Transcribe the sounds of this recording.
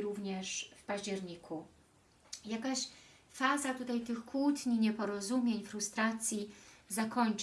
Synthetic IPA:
ɾuvɲɛʂfpaʑd͡ʑɛɾɲiku | jakaɕ | fazat̪ut̪ajt̪ɘxkwut̪ɲiɲɛpɔɾɔzumʲjeɲfɾust̪ɾat̪sʲjizakɔɲt͡ʂ

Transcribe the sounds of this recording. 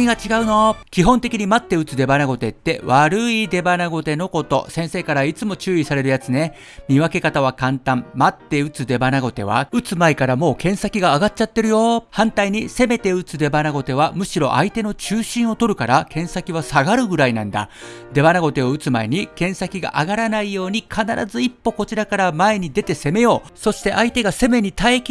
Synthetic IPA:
ɲiɡat͡ɕiɡaɯ̟no̞kʲiɦõ̞nt̪e̞kʲiɲ̟imat̪ːe̞ɯ̟t͡sɨd̪e̞banaɡo̞t̪e̞t̪ːe̞βaɾɯ̟id̪e̞banaɡo̞t̪e̞no̞ko̞t̪o̞̰sẽ̞ɰ̃se̞ːkaɾait͡sɨmo̞t͡ɕɨːisaɾe̞ɾɯ̟jat͡sɨne̞ | mʲiβake̞kat̪aβ̞akãnt̪ãmmat̪ːe̞ɯ̟t͡sɨd̪e̞banaɡo̞t̪e̞̰β̞a̰ɯ̟t͡sɨmaikaɾamo̞ːkẽ̞ɰ̃sakʲiɡaːɡat̚t͡ɕːat̪ːe̞ɾɯ̟jo̞hãnt̪aiɲ̟ise̞me̞t̪e̞ɯ̟t͡sɨd̪e̞banaɡo̞t̪e̞β̞amɯ̟ɕiɾo̞̰ʔait̪e̞no̞t͡ɕɨːɕĩɰ̃o̞t̪o̞ɾɯ̟kaɾakʰẽ̞ɰ̃sakʲiβasaɡaɾɯ̟ɡɯ̟ɾainãnd̪a̰d̪e̞banaɡo̞t̪e̞o̞ɯ̟t͡sɨmaeɲ̟ikẽ̞ɰ̃sakʲiɡa̰ʔaɡaɾanaijo̞ːɲ̟ikʰanaɾʔa̰zɨipːo̞ko̞t͡ɕiɾakaɾamae̞ɲ̟id̪e̞t̪e̞se̞me̞jo̞ːso̞ɕi̥t̪e̞ʔait̪e̞ɡase̞me̞ɲ̟it̪aek

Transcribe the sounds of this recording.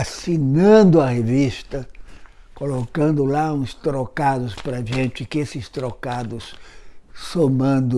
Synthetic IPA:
asinɐ̃d̪ʊɐhevist̪ɐkolokɐ̃nd̪ʊlaũst̪ɾokad̪ʊspɾɐʒẽnt͡ʃɪkɪesɪst̪ɾokad̪ʊs | somɐ̃nd̪ʊ

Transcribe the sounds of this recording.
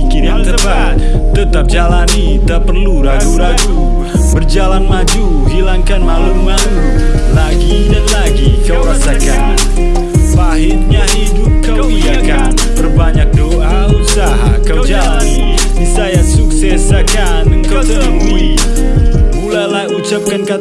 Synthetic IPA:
kinaŋt̪ərbat̪̚ | t̪ət̪ap̚d͡ʒalani | t̪apərluɾad͡ʒuɾad͡ʒu | bərd͡ʒalanmad͡ʒu | hilaŋkanmalumːalu | laɡidanlaɡikawɾasaka | n | paɦɪrɲaɦidʊp̚kawiakaan | bərbaɲak̚doʔa | usaɦa̰kawd͡ʒalanidisajaŋsuksɛsakanəŋkawd̪əmi | mulalahut͡ʃap̚kanka

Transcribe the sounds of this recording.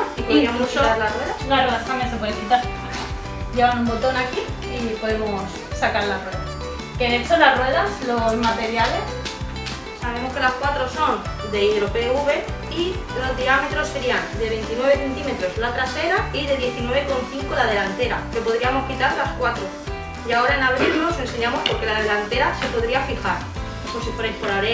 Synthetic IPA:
ipoðɾiamosoaɾlarwe̞ðasnaweðaamens̬epwe̞ðekit̪aɾ | ɟ͡ʝe̞β̞anũmbo̞t̪o̞naki | ipo̞ðe̞mosːakaɾlarrwe̞ðas | kenesonlasrwe̞ð̞aslozmat̪e̞ɾjale̞s | saβ̞e̞mo̞ske̞laskwat̪ɾo̞so̞n | d̪e̞iðɾo̞pe̞uβe | ilo̞zðiame̞t̪ɾo̞sːe̞ɾiand̪e̞β̞e̞nt̪inwe̞β̞e̞θe̞nt̪ime̞t̪ɾo̞zlat̪ɾase̞ɾaiðe̞ðje̞θinwe̞β̞eko̞nθiŋkolað̞e̞lant̪e̞ɾake̞po̞ð̞ɾiamo̞skit̪aɾlaskwat̪ɾo̞ | jao̞ɾaenaβ̞ɾilno̞se̞nse̞ɲãmo̞spo̞ɾke̞lað̞elant̪e̞ɾase̞po̞ðɾiafixaɾ | sosipoɾejspoɾaɾe

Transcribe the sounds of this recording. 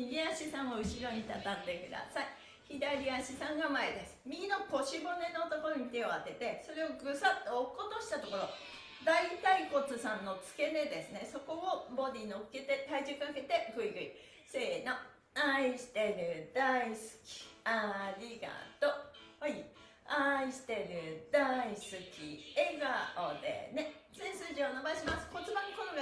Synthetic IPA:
iɾʲiaɕisãɰ̃oɯ̟ɕiɾo̞ɲ̟it̪at̪ãnd̪e̞kɯ̟d̪a̰sai | çid̪aɾʲiaɕisãŋɡamaed̪e̞sɨ̥mʲiɡʲino̞ko̞ɕibo̞ne̞no̞ːt̪o̞koɾoɲ̟it̪e̞o̞at̪e̞t̪e̞so̞ɾe̞oɡɯ̟sat̪ːeokːot̪oɕi̥t̪at̪o̞ko̞ɾo̞ | d̪ait̪aiko̞t͡sɨsãnːo̞t͡sɨ̥ke̞ne̞d̪e̞sɨne̞so̞ko̞obo̞d̪ʲinoɯket̪e̞t̪aid͡ʑɨkːake̞t̪e̞ɡɯ̟iɡɯ̟i | seno | aiɕi̥t̪e̞ɾɯ̟d̪aisɨ̥kʲi̥aɾʲiɡa̰t̪ohoi | aiɕi̥t̪e̞ɾɯ̟d̪aisɨkʲḭeɡaod̪ḛne̞sẽsɨʑionabaiɕimasɨ̥ko̞t͡sɨbãnokoɾoɡa

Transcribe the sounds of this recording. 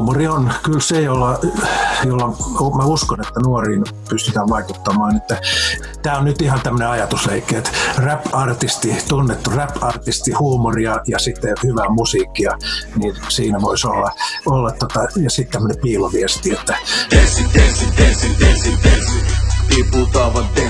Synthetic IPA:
murionkylsejolːɑ | jolːɑmæuskonet̪ːænuoriːn | pyst̪yt̪æːʋʋɑikut̪ːɑmɑːnet̪ːæ | t̪æːonnyt̪ihɑnt̪æmːøneɑjɑt̪usleikːeːt̪ræpɑrt̪ist̪it̪unːet̪ːuræpɑrt̪ist̪ihuːmuriɑjɑsit̪ːehyʋæːmusiːkːijɑniːnsiːnæʋoisolːɑolːɑt̪t̪ot̪ɑjɑsit̪t̪æmːønepiːloʋiest̪iet̪ːæesesiesiesiet̪ipuːt̪ɑʋɑnt̪e

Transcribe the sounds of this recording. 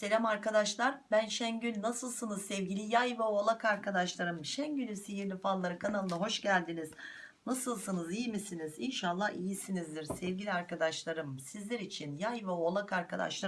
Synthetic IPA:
se̞lʲæmaɾkad̪aʃlˠaɾbænʃænɟynːasɯlˠsɯnɯzsɛvɟilʲijajvaolˠakaɾkʰad̪aʃlˠaɾɯmʃænɟynysejiɾlʲifallˠːaɾɯkʰanalˠɯnaɦo̞ʃɟælʲd̪iniz̥ | nasɯlˠsɯnɯzijimisinizinʃalˠːahijisinizd̪iɾsɛvɟilʲiaɾkad̪aʃlˠaɾɯmsizlʲɛɾit͡ʃʰinjajvaolˠakaɾkʰad̪a̰ʃlˠa

